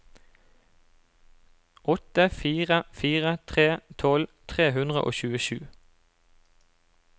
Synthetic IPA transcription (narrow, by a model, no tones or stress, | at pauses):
ʔɔt̪əfiːʁəfiːʁət̪ʰʁeːt̪ʰɔlt̪ʰʁeːhʉnd̪ʁə̰ʔo̰ːçʉːəʃʉː